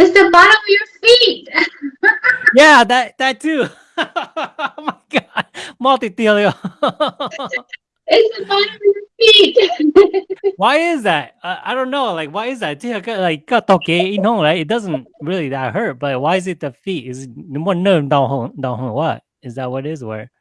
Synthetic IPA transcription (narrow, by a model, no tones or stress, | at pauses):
ɪtsðəbɑɾə̃mʌvjə˞fit̚ | jæðæt̚ðætʰːʉ | oomaɪɡɑdmalˠtitilˠio | ɪtsðəbɑɾə̃mʌvjəfit̚ | waɪɪzðæt̚ʌʔa̰ɪdõʊ̃nːoʊlaɪkwaɪɪzðættʰiəkəlaɪk̚ɡ̥ɑtokeɪ̃nhõʊ̃mɹaɪtɨt̚d̥ʌzə̃nɹilˠiðæhɜ˞t̚b̥ʌtlaɪk̚waɪɨzɨt̚ðəfitɪzɪt̚nomɔnə̃dãʊ̃nhõʊ̃mdãʊ̃nhõʊ̃wʌ̰t̚ | ɪzðæt̚wʌɾɪzwə̰˞